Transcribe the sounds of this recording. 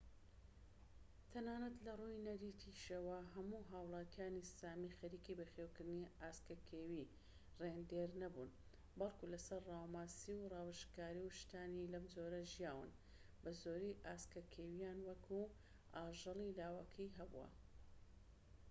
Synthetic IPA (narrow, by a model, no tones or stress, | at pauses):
t̪ʰɐnaːnɐt̪lɐrujnɐɾit̪ʰiʃɐwɐɦɐmuɦaːwlˠɑːt̪ijaːnisaːmixɐɾiːkibɐxeːwkɨɾd̪niaːskɐkʰeːwi | reːnd̪eːɾnɐbuːn | bɐlˠkulɐsɐɾrɑːwmaːsiwrɑːwɨʃkaːɾiwʃt̪aːnilɐmd͡ʒoɾɐʒijaːwɨ̰n | bɐzoːɾiʔaːskɐkʰeːwijaːnwɐkʰu | aːʒɨlilaːwɐkʰɐjɦɐbṵwɐ̰